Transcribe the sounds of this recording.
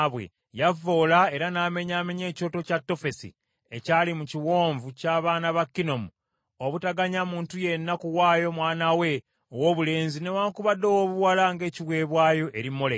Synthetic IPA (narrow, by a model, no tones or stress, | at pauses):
βwe̞̰ | javo̞ːlae̞ɾanaːme̞ɲaːme̞ɲe̞ːco̞ːto̞catːo̞fe̞sḭ | ecaːlimuciwo̞ːɱvucaːβaːnaβakːino̞mu | oβutaɡaɲamuːntuje̞nːakuwaːjo̞mwaːnawe̞ | owoːβule̞ːnzine̞waːŋkuβadːowoβuwalaŋɡe̞ːciβwe̞ːβwaːjo̞ʔe̞ɾimːole